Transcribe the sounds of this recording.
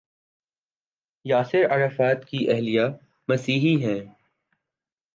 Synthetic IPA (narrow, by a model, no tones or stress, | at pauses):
jaːsɪɾɐɾəfɛːt̪kiʔɛɦlija | mɐsiːɦiɦɛ̃ː